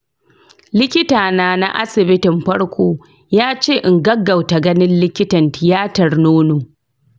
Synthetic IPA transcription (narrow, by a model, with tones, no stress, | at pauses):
lɪ˦kʲɪ˦taː˨naː˦na̰˦ʔa̰˦sɪ˨bɪ˦tɪ˨mɸɐ˦ɽkʷoː˦ | jaː˦t͡ʃeː˦˨ʔɪ˨ŋɡɐ˦ɡːɐ˨wta˨ɡɐ˦nɪ˦nlɪ˦kʲɪ˦tɐ˨ntɪ˨jaː˦tɐ˨rnoː˦noː˨